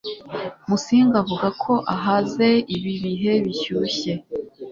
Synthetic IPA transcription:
musiːŋɡavuɡakʰo̞ʔaɦaze̞iβiβiɦe̞βiçuːçe̞

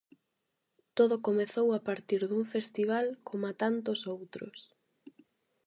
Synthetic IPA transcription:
t̪oðʊkomeθowapaɾt̪iɾðuŋfest̪iβ̞alkʰomat̪ant̪ʊsowt̪ɾʊ̰s

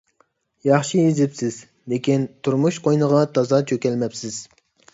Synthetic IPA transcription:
jɑχʃiizɪpsɪz̥ | lekʲint̪ʰuɾmuʃqojnəʁɑt̪ʰɑzɑt͡ʃʰøkʲɛlmɛpsɪz̥

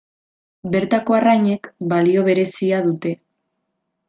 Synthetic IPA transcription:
be̞ɾt̪ako̞arajɲe̞kbalio̞β̞e̞ɾe̞siað̞ut̪e̞

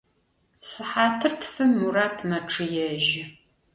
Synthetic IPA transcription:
sɨħaːtʰɨrtʰfɨmːuraːtʰmɐʈ͡ʂʰɨjɛʒɪ

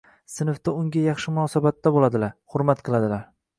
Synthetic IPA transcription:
sɪnɪft̪aʊŋɡʲajɑχʃɪmʊnɒːsabat̪ːabolad̪ɪlaɾhʊɾmat̪qʰɨlˠad̪ɪlaɾ

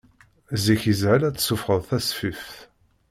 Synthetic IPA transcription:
ziçizʕəlæt͡sːsʊfʁəðˤθæsfif

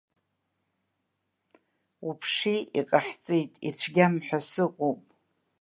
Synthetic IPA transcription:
upʰʂiiqʼaħt͡sʼejtʼḭt͡ʃʷʰɡʲamħʷᶣasɨqʼupʼ

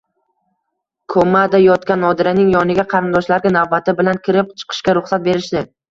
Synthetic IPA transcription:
kʰomːad̪ajɒt̪kʲanːɒd̪ɪɾanɪŋjɒnɪɡʲaqʰɑɾɪnd̪ɒʃlaɾɡʲanavbat̪ʰɪbɪlankʲɪɾɪp̚t͡ʃʰɨ̥qʰɨ̥ʃkʲaɾʊχsat̪̚be̞ɾɪʃd̪ɪ

